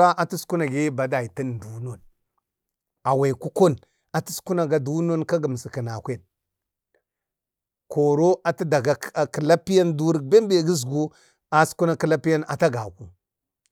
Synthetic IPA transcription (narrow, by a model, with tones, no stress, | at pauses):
a˦ʔa˨tu˦su̥˦ku˦na˨ɡe˦ba˨da˨i˨ti˦ndu˨no˨n | a˨we˨ku˦ko˦˨n | a˨ti˦su̥˦ku˦na˨ɡa˨du˦no˦nka˦ɡə˨m˨si˨kə˨na˨kʷe˦˨n | ko˨ɾo˦a˨ti˦da˨ɡa˨˦˨ki˨la˦pi˦ja˦ndu˦ɾbe˦m˦be˦˨ɡi˦zɡu˦ | a˨su̥˦ku˦na˦ki˦la˦pi˦ja˦na̰˨ta˦ɡa˨ku˦